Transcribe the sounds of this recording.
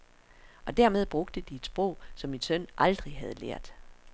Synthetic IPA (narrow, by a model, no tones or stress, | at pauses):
ʔɒ̽d̥æɐ̰með̞ˠb̥ʁɔ̽ɡ̥̚d̥əd̥ie̝d̥sb̥ʁɔʊ̰sɒ̽mːinsœn̰ʔɑ̈ld̥ʁiɦæð̞ˠlḛɐ̰d̥